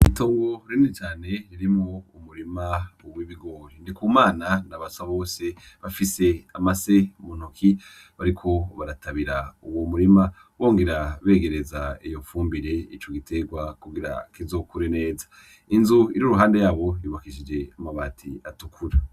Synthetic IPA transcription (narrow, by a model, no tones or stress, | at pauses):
itoːŋɡo̞ɾiːnit͡ʃaːne̞ɾiɾimŋoumuɾimawiβiɡo̞ːɾindikumaːnanaβasaβo̞ːse̞ | βafise̞amase̞mun̥ukʰi | βaɾikʰo̞βaɾatʰaβiɾauwomuɾima | wo̞ːŋɡe̞ɾaβe̞ːɡe̞ɾe̞zaijo̞fuːmbiɾe̞it͡ʃo̞ɡitʰe̞ɡwakuɡiɾa̰kizoːkuɾine̞ːzḁ | inzuiɾuɾuɦaːnde̞jaːβo̞juβakiʃid͡ʒe̞amaβatʰḭatukʰuɾa